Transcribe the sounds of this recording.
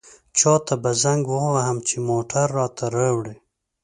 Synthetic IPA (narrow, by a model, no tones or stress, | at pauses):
t͡ʃɑːt̪ʰabazaŋɡwowaɦamt͡ʃʰemoʈʰaɾːɑːt̪ʰaɾawɽe